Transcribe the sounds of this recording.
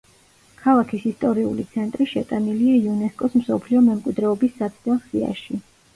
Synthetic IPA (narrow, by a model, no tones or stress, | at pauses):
kʰalˠakʰisist̪ʼɔɾiṵlit̪sʰɛnt̪ʼɾiʃɛt̪ʼaniliaiunɛskʼɔsmsɔpʰliɔmɛmkʼwid̪ɾɛɔbisːat̪sʰd̪ɛsia̰ʃi